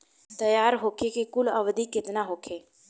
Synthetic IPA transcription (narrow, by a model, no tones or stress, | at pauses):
t̪ɐjaːɾɦoːkʰekikʊləʋd̪ikɪt̪naɦoːkʰeː